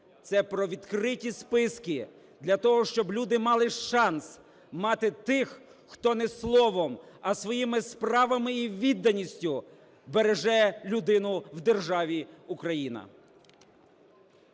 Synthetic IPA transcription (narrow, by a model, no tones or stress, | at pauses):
t̪sɛpɾɔʋʲid̪kɾɪtʲispɪskɪ | d̪lʲɐt̪ɔɦɔʃt͡ʃɔblʲud̪ɪmɑlˠɪʃɑns | mɑt̪ɪt̪ɪx | xt̪ɔnɛslˠɔʋɔmɐsʋɔjimɪspɾɑʋɐmɪiʋʲid̪ːɐnʲisʲtʲʊ | beɾeʒɛlʲʊd̪ɪnʊwd̪erʒɑʋʲiukɾɐjinɐ̰